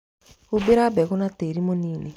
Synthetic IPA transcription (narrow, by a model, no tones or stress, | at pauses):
ubeɾabɛɣonateɾimoniːne